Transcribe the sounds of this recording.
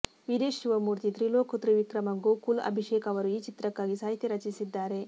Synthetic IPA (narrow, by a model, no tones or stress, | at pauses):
ʋid̪eːʃuʋɐmuːɾt̪it̪ɾiloːkut̪ɾiʋikɾɐmɐŋɡukulɐ̰bʱiʃeːkɐʋɐɾuiːt͡ʃit̪ɾɐkːaːɡisaːɦit̪jɐɾɐt͡ʃisid̪ːaːɾe̞